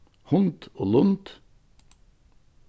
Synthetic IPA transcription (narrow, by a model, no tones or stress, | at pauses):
hʊnt̪oːlʊnt̪